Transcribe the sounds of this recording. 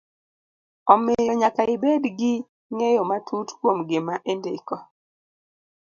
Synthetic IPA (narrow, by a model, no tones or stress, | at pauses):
ɔmɪjɔɲakaɪbedɡɪ | ŋejɔmatʰutkwomɡɪmaʔendekɔ